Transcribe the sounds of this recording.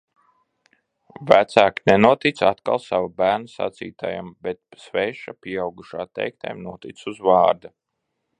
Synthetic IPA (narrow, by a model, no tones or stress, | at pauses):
væt̪saːknɛnuɔt̪it̪sat̪ka̰lˠsavabæːɾnasa̰t̪sḭːt̪a̰ːja̰mbɛt̪̚svɛːʃapʲiɛawɡuʃaːt̪ɛ̰jk̚t̪a̰jmnuɔt̪it̪suzvɑːɾd̪a